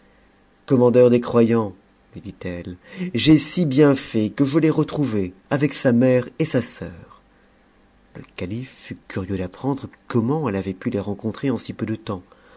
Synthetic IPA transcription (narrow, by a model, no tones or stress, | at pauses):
kɔmɑ̃d̪œʁd̪ekχwajɑ̃ | lɥid̪it̪ɛlʒesibjɛ̃fɛkəʒəleʁət̪χuveavɛksamɛʁesasœːʁ | ləkalifːykʲyʁjød̪apχɑ̃d̪ʁəkɔmɑ̃ɛlavɛpyleʁɑ̃kɔ̃t̪χeɑ̃sipød̪ət̪ɑ̃